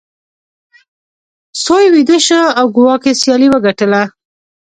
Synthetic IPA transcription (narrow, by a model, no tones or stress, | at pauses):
sojwid̪əʃəawɡʊwɑkesjɑliwəɡaʈəla